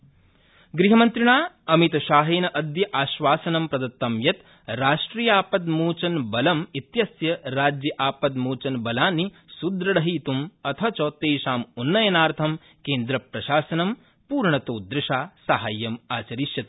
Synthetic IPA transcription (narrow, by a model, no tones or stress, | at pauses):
ɡɾiɦɐmɐnt̪ɾiɳaː | ɐmit̪ɐʃaːɦeːnɐʔɐd̪jɐʔaːʃʋaːsɐnɐmpɾɐd̪ɐt̪ːɐmjɐt̪ | ɾaːʃʈɾiːjaːpɐd̪muːt͡ʃɐnbɐlɐmit̪jɐsjɐɾaːd͡ʒjɐʔaːpɐd̪muːt͡ʃɐnbɐlaːni | sud̪ɾɐɽɐɦiːt̪umɐt̪ʰɐt͡ʃoːt̪eːʃaːmunːɐjɐnaːɾt̪ʰɐm | keːnd̪ɾɐpɾɐʃaːsɐnɐm | puːɾɳɐt̪oːd̪ɾɪʃaːsaɦaːjːɐmaːt͡ʃɐɾiːʃjɐt̪